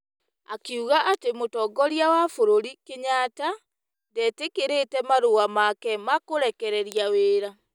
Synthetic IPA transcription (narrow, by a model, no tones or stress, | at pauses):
akeuɣaʔatemotɔɡɔɾjawafoɾoɾikeɲata | dɛtekeɾetɛmaɾowamakɛmakoɾɛkɛɾɛɾjaweːɾa